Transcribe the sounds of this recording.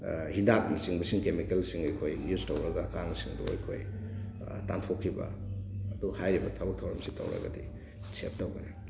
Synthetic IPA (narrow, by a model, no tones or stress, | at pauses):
hidap̚nisiŋbɐsiŋkemikelsiŋɐjkʰojjuztowɾɐɡakaŋsiŋdṵa̰jkʰo̰j | ta̰ntʰokʰːibɐ̰ːduhajɾibɐtʰabɐk̚tʰawɾɐmsitɐ̰wɾa̰ɡa̰di | sep̚tawɡɐna